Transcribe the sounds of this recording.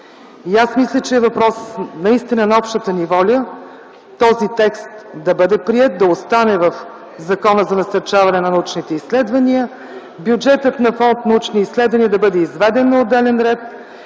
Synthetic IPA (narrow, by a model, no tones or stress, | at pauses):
iasmislʲət͡ʃɛːvɐpɾɔsnɐist̪inənɐɔpʃt̪ət̪ənivɔlʲə | t̪ɔzit̪ɛkst̪d̪ɐbɤd̪ɛpɾiɛt̪̚d̪ɐost̪anɛvɐf | zɐkɔnəzɐnɐsɐɾt͡ʃavɐnɛnɐnɐut͡ʃnit̪ɛislɛd̪vɐniə | bjud͡ʒɛt̪ət̪nɐfɔnt̪nɐut͡ʃniislɛd̪vɐniəd̪ɐbɤd̪ɛizvɛd̪ɛnːɐod̪ːɛlɛnɾɛt̪̚